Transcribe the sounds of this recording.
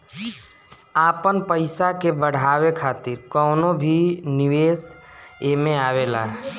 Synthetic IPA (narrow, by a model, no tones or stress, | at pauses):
aːpənpəɪsakebəɽ̤aːʋekʰaːt̪ɪɾkɔːnobʱinɪʋeːseːmẽaːʋeːla̰ː